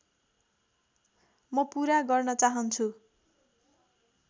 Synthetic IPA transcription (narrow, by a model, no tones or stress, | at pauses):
mʌpuɾaɡʌrnʌt͡saɦʌnt͡sʰu